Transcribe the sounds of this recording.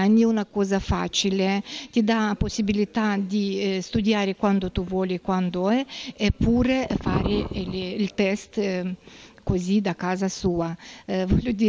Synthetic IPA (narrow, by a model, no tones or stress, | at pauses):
anːiunakɔːzafa̰ːt͡ʃilet̪id̪aposːibilit̪ad̪ist̪ud̪jaːɾekwand̪ot̪uvwɔːliekwand̪oɛepʰːuːɾefaːɾelilt̪ɛst̪ | kozid̪akːaːzasuːavɔlːod̪iː